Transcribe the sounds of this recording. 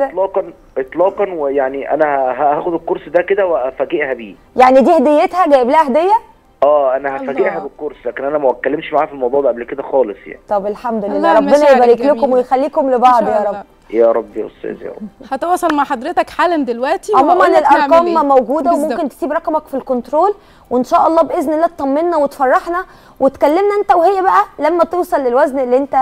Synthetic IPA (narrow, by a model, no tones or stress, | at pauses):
lɑːqɑn | ʔet̪ˤlɑːqɑnwejaʕniʔæ̰næhæɦæʔææːxod̪elkoɾsd̪æked̪æweʔæfæɡeʔhæbiː | jaʕnid̪iːhæd̪ejːet̪hæɡæːʔeblæːhʔæhd̪ejːæ | ʔæːʔænæhæfæeʔɦæbelkːoɾˤslæːkenʔænæmæwæt̪̚kːælːemʃmaʕaːfilmɑwd̪ˤuʕbʔæblked̪æxɑːlesˤja̰ʕnit̪ˤɑbelħamd̪olelːæɾˤɑbːenɑæjebæɾiːklekomwejxælːiːkomlebɑʕʕd̪ˤjɑɾˤɑbːi | jæɾˤɑbːjæ̰ʔo̰st̪ːæ̰ːzjæ̰ɑ̰hæt̪ɑwɑːsˤɑlmaʕħɑd̪ɾet̪ækħaːlænd̪elwæʔt̪iʕomuːmænelʔɑɾqɑːmmːæwɡuːd̪æwwemomkent̪e̥siːbɾˤɑqmækfilkont̪ɾoːl | wenʃæːʔɑlˤːɑːbʔeznelːæːt̪t̪ˤɑmːenːæwet̪fɑrˤːɑħnæ | wet̪kælːemnæʔent̪æwehejːæbæʔælæmːæt̪ewsˤɑlːelwæznelːiːʔent̪æ